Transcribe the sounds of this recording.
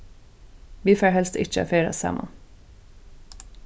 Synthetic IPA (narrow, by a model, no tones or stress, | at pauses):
ʋiːfeːhɛlst̪ɪ̰t͡ʃə̰feɪɾə̰sæ̰mʔɑ̰